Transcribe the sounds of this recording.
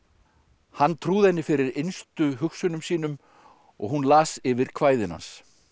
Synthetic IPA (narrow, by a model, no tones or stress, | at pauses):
hanːt̪ʰɾuːðɛnːɪfɪɾɪɾejnst̪ʏɦʏxsʏnʏmsiːnʏm | ɔ̰ɣɦunlaːsɪvɪɾ̥kʰvaːjðɪna̰ns